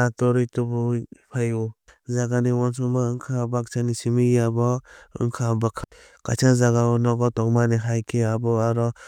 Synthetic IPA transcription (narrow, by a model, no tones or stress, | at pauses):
atɔɾitubupʰaju | zaɡaniwɔnsumaɯŋkʰabak̚t͡ʃanisimiabɔɯ̰ŋkʰabakʰa | kat͡ʃazaɡaɔnɔɡɔtɔkmaniɦajkeabɔaɾɔ